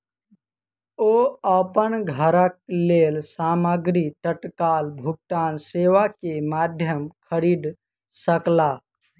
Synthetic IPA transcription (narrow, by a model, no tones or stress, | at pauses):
oəpənɡʱəɾək̚lelsaːməɡɾit̪əʈkalbʱuk̚ʈaːnseʋakemaːd̪ʱjəmkʰəɾiːɖ̪ | səkla